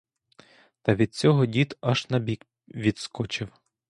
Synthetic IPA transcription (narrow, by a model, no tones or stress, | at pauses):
t̪ɐʋʲid̪̚t͡sʲɔɦɔdʲit̪ɐʃnɐbʲik | ʋʲid̪skɔt͡ʃɪw